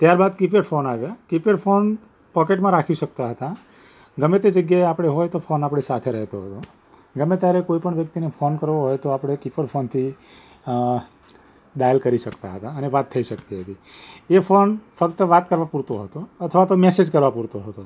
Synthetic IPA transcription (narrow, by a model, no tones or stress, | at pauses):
t̪jaɾbad̪kipeɽfʰonaʋjakipeɽfʰon | pɔkeʈmãɾakʰiʃək̚t̪aɦət̪a | ɡəmet̪ed͡ʒəɡjaeapɽ̃eɦojt̪ofonapɽ̃esat̪ʰeɾəɦet̪oɦət̪o | ɡəmet̪jaɾekoipəɳʋjəkt̪inefʰonkəɾʋoɦojt̪oapɽ̃ekipəɽfʰont̪ʰi | ɗajəlkəɾiʃəkt̪aɦət̪aəneʋat̪ʰːəiʃəkt̪iɦət̪iefʰonfəkt̪əʋat̪kəɾʋapuɾt̪oɦət̪oət̪ʰəʋat̪omesed͡ʒkəɾʋapuɾt̪oɦət̪o